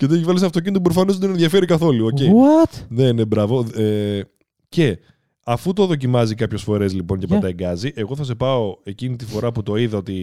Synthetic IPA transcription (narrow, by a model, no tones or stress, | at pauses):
ceðeivɐlsɐft̪o̞c̬ind̪opɾofɐno̞zðenenðjʝɐfe̞ɾikɐθo̞luoce̞iwt̪ne̞ne̞bɾɐvo̞e | ce̞ | ɐfut̪oðo̞c̬imɐzikɐpço̞sfo̞ɾe̞zlipo̞ncepɐt̪ɐeŋɡɐziʔe̞ɣo̞θɐse̞pɐo̞e̞cinit̪ifo̞ɾɐput̪o̞iðɐo̞t̪i